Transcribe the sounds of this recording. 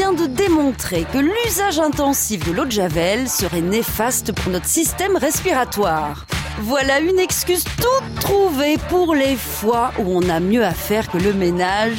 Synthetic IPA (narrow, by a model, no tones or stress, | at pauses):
jɛ̃d̪əd̪emɔ̃t̪χekəlyzaʒɛ̃t̪ɑ̃sifd̪əlod̪ʒavɛlsəʁɛnefast̪əpuʁnɔt̪χəsist̪ɛmʁɛspiʁat̪waːʁ | vwalaynɛkskʲyzt̪ut̪ːχuvepuʁlefwaʔuɔ̃namjøafɛʁkələmenaʒ